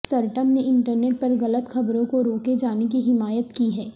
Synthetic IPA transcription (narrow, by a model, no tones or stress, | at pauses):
sɐɾʈəmneɪ̃ɳʈəɾneːʈ̚pɐɾɣɐlət̪xɐbɾõkoɾoːked͡ʒaːnek̬iɦɪmaːjət̪kiɦɛː